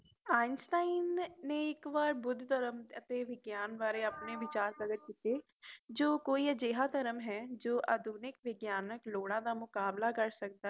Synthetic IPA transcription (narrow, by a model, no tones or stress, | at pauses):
aːɪnsʈaːɪnːeɪkʋaːɾbʊd̪ʱt̪əɾəmət̪eʋɪɡjaːnbaːɾeəpneʋɪt͡ʃaːɾk̪əɡəɾkiːt̪eː | d͡ʒoːkoːiəd͡ʒeːɦaːt̪əɾəmɦɛːd͡ʒoːʔəd̪ʱuːnɪkʋɪɡjaːnəkloːɽãːd̪aːmʊkaːblakəɾsək̚d̪a